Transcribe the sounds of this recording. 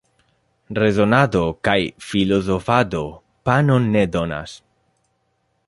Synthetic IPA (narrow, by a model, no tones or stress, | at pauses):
re̞zo̞nad̪o̞kajfilo̞zo̞fad̪o̞ | pano̞nːedona̰s